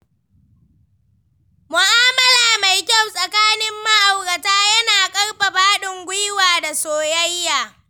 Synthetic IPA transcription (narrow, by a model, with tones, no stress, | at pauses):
mʊ˨ʔaː˦mɐ˦laː˨ma˨jkʲa˦˨wsʼɐ˨kaː˦nɪ˦mːɐ˦ʔa˨wkɐ˨taː˦jɐ˦naː˨kʼɐ˦rɸa˨baː˦ɗɪ˨ŋɡʷʊ˦jwaː˨da˨soː˨jɐ˦jːaː˨